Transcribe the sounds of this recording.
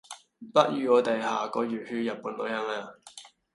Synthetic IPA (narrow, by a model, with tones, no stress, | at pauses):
pɐ˦˥t̚jyː˨˧ɔː˨˧t̪ɐ˨jhaː˨kɔː˨˧jyː˨˩t̚hyː˧jɐ˨t̚pːuː˨˥nlo˨˥jhaː˨˧maː˧˨